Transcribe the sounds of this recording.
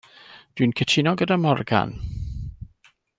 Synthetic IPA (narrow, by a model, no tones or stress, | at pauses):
d̥winkʰətʰɪnɔɡədamɔrɡa̰n